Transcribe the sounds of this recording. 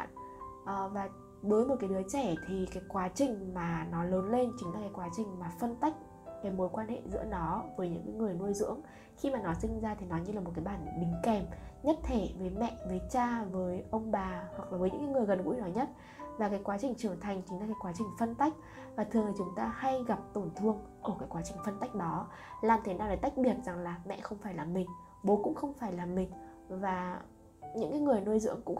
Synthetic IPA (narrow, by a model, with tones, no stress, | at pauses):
nʔə˨˩vaː˨˩ | ɓəː˨˦jmo˨˩t̚ka˨˦jɗɨ˨˦ət͡ɕɛ˧˩t̪ʰi˨˩kaː˨˦jkwaː˨˦t͡ɕï˨˩ŋ̟maː˨˩nɔ˨˦ləː˨˦nle˧nt͡ɕï˨˦ŋlaː˨˩kaː˨˦jkwaː˨˦t͡ɕï˨˩ŋ̟maː˨˩fə˧nt̪a˦˥jk̟̚ | kaː˨˦jmo˨˦jkwaː˧nhḛ˧˨zɨ̰˧˥ənɔ˨˦vəː˨˦jɲɨ̰˧˥ŋkaː˨˦jŋɨ˨˩əjnu˧əjzɨ̰˧˥əŋ | xi˧maː˨˩nɔ˨˦sï˧ŋ̟zaː˧t̪ʰi˨˩nɔ˨˦jɲɨ˧laː˨˩mo˨˩t̚kaː˨˦jɓaː˧˩nɗï˨˦ŋ̟kɛ˨˩mɲə˦˥t̚t̪ʰe˧˩vəː˨˦jmɛ̰˧˨vəː˨˦jt͡ɕaː˧vəː˨˦jʔə˧wŋ͡mɓaː˨˩hwa˨˩k̚laː˨˩vəː˨˦jɲɨ̰˧˥ŋkːaː˨˦ŋɨ˨˩əjɣə˨˩nɣṵ˧˥˦nɔ˨˦jɲə˦˥t̚ | vaː˨˩kaː˨˦jkwaː˨˦t͡ɕï˨˩ŋ̟t͡ɕɨ˧˩əŋt̪ʰa˨˩jŋ̟t͡ɕï˨˦ŋ̟laː˨˩kaː˨˦jkwaː˨˦t͡ɕï˨˩ŋ̟fə˧nt̪a˦˥jk̟̚ | vaː˨˩t̪ʰɨ˨˩əŋt̪i˨˩t͡ɕʊ˨˦ŋ͡mt̪aː˧ha˧jɣa˨˩p̚t̪o˧˩nt̪ʰɨ˧əŋʔəː˧˩kaː˨˦jkwa˨˦t͡ɕï˨˩ŋ̟fə˧nt̪a˦˥jk̟̚ɗɔ˨˦ | laː˨˩mt̪ʰe˨˦naː˧wlaː˨˩˦jt̪jk̟̚ɓi˨˩ət̚za˨˩ŋlaː˨˩mɛ̰˧˨ʔxə˧wŋ͡mfaː˧˩jlaː˨˩mːï˨˩ŋ̟ | ɓo˨˦kʊ̰˧˥ŋ͡mxə˧wŋ͡mfaː˧˩jlaː˨˩mːï˨˩ŋ̟ | vaː˨˩ | ɲɨ̰˧˥ŋkaː˨˦jŋɨ˨˩əjno˧jzɨ̰˧˥əŋkʊ̰˧˥ŋ͡m